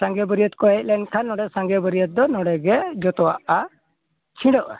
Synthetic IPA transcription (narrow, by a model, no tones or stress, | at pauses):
sãŋɡɛbəɾiət̪̚kɔɦɛc̚lɛnkʰanːɔɽɛsãŋɡɛbəɾijət̪̚d̪ɔnɔɽɛɡɛd͡ʒɔt̪ɔwaʔa | t͡ʃʰĩɽɔʔɛ̰